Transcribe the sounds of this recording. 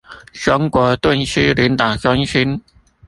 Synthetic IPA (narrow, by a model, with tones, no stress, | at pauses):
ʂə˧˥ŋkwɔ˧˥t̪wə˥˩nɕi˥li˧˥nt̪a˨˩ʈ͡ʂa˥ŋɕi˥n